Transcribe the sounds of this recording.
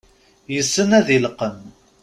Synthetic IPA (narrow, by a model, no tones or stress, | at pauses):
jəsːənæðilqəm